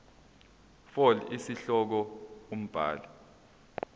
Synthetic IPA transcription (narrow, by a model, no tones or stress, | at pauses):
fɔlisiɬɔk̬ɔum̩b̥ʱa̰ːla